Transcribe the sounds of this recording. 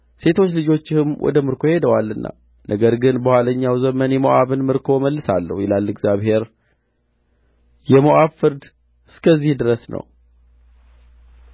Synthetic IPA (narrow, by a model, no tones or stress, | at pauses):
se̞t̪ʰo̞t͡ʃːlɨd͡ʒo̞t͡ʃːɪhɨmwʔɔ̰d̪əmɨɾkʰo̞he̞d̪əwalːɨnːa̰ | nʔəɡəɾɡɨnbəhʷwaləɲːawzəmənjɛməʔaβɨnmɨɾkʰo̞məlːɨsalːə̰hjɛlalːɨɡzjaβhe̞ɾ | jɛmoʔaβfɨɾd̪ | ɨskʰəzːihd̪ɨɾəsnə̰w